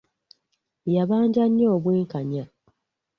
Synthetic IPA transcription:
jaβaːɲɟaɲːoːβweːŋkaɲa

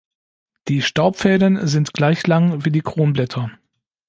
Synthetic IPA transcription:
d̥iːʃtaʊpfɛːdənzɪntɡ̥laɪçlaŋviːdiːkʁ̥oːnblɛtʰɐ

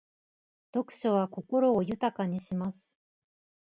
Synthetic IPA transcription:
d̪̥o̞kɯ̟̥ɕoβako̞ko̞ɾo̞ːjɯ̟t̪akaɲ̟iɕimasɨ̥

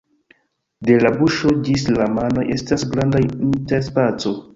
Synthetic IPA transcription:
de̞labuʃo̞d͡ʒislamano̞jʔe̞stasɡɾandainteɾspat͡so̞

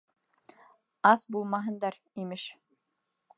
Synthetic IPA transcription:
ɑsbulˠmɑɦɤ̆nd̪ɑɾ | imɘʃ

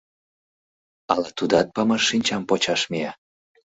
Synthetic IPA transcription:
ɑlɑt̪ud̪ɑt̪̚pɑmɑʃːinʲt͡ɕɑmpot͡ɕɑʃmiɑ

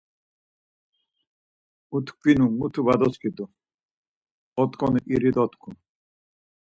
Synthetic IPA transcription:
ut̪ʰkʰinumut̪ʰuvad̪ɔskʰid̪u | ɔt̪kʰʼɔnuʔiɾid̪ɔt̪kʰṵ

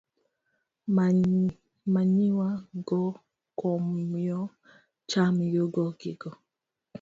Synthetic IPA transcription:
maɲiwaɡɔ | kɔmjɔ | t͡ʃamijoɡɔɡɪɡɔ

